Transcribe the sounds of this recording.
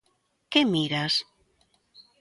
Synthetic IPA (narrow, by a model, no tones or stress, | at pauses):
kemiɾas